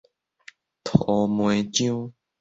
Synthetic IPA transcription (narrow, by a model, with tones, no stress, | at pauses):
t̪ʰo˨˩˦mwe˨˧t͡ɕjũ˦